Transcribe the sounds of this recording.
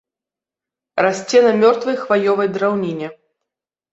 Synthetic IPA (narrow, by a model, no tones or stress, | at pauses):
rasʲt͡sʲɛnɐmʲɔrt̪vɨjxvajɔvɐjd̪ɾawnʲinʲɛ